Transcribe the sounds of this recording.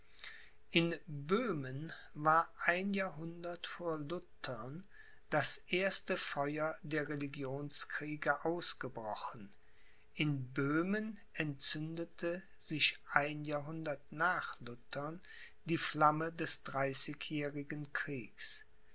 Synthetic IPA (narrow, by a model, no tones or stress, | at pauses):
ʔɪnbøːmən | vaːɐʔaɪnjaːɐɦʊndɐtfoːɐlʊtʰɐn | d̥asʔeːɐstəfɔʏɐdeːɐʁeliɡjoːnskʁ̥iːɡəʔaʊsɡ̥əbʁɔχn̩ | ʔɪnbøːmənʔɛntt͡sʏndətʰə | zɪçʔaɪnjaːɐɦʊndɐtnaːχlʊtʰən | diːflamədɛsd̥ʁaɪsɪçjɛːʁɪɡən̩kʁ̥iːks